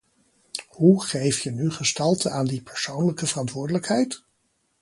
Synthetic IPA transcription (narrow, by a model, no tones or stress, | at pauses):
huχejftjənyχəstɑlˠtənaːndipɛɹsownləkəvərɑntʋʊːɹdələkɦɛjt